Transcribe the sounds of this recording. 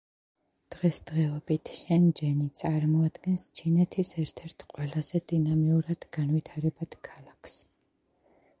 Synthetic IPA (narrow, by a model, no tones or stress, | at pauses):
d̪̥ʁɛsd̪ʁɛɔbit̪ʰʃɛnd͡ʒɛnit̪sʼaɾmɔad̪ɡɛnst͡ʃʰinɛt̪ʰisɛɾt̪ʰɛɾt̪ʰqʼwɛlˠaz̥ɛd̪inamiuɾad̪̥ɡanvit̪ʰaɾɛbad̪̥kʰalˠakʰs